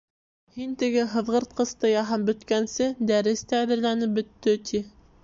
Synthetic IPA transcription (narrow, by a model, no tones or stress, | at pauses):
hint̪ɘ̆ɡɘɦɤ̆ðʁɤ̆ɾt̪̚qɤ̆st̪ɤjɑɦɑmbɵ̆t̪kænsɘd̪æɾɘst̪æːðɘ̆ɾlænɘp̚bɵ̆t̪ːɵt̪ʰi